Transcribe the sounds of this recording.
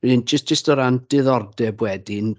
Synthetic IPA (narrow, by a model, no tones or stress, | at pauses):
iɪnd͡ʒ̥əstd͡ʒɪstɔɾand̥ɪðɔrdɛbwɛdɪn